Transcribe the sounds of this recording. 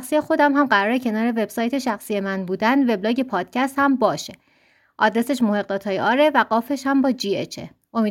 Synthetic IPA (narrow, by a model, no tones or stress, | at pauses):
xsije̞xo̞d̪æmɦæmɢæɾɒːɾecʰe̞nɒːɾe̞ve̞b̥sɒːjt̪ʰe̞ʃæxsije̞mænbuːd̪ænd̪ve̞blɒːɟe̞pʰɒːd̪̥̚cʰæst̪hæmbɒːʃe̞ | ʔɒ̰d̪ɾe̞se̞ʃmohe̞ɣ̚d̪ɒːt̪ʰɒːjeʔɒːɾe̞væɡɒːfe̞ʃhæmbɒːd͡ʒiet͡ʃʰḛ | ʔo̞mi